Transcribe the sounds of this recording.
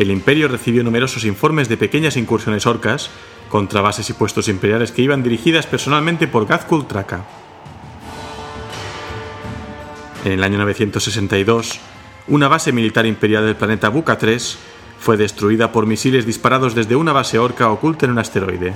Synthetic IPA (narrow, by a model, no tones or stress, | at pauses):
elimpeɾjoreθiβjonume̞ɾo̞sosiɱfoɾme̞zðepekeɲasiŋkuɾsjo̞ne̞soɾkas | ko̞nt̪ɾaβ̞ase̞sipwe̞st̪o̞simpe̞ɾjale̞skeiβ̞and̪iɾixiðaspeɾsonalmẽnt̪e̞po̞ɾɣaθkult̪ɾaka | ene̞laɲono̞β̞eθje̞nt̪osːesent̪aiðo̞s | unaβ̞ase̞milit̪aɾimpeɾjald̪elplanet̪aβukat̪ɾes | fwe̞ðe̞st̪ɾuiðapo̞ɾmisile̞zðispaɾað̞o̞zðe̞zðe̞unaβ̞aseoɾkaokult̪aenunast̪e̞ɾojðe̞